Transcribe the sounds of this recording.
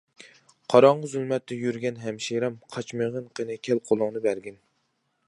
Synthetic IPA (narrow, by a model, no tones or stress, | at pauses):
qʰɑɾɑɴʁəzylˠmɛt̪ːɛjyɾɡʲɛnɦɛmʃiɾɛmqʰɑt͡ʃmeʁənqʰənɨkʲʰɛlqʰolˠʊŋnɨbæɾɡʲɛn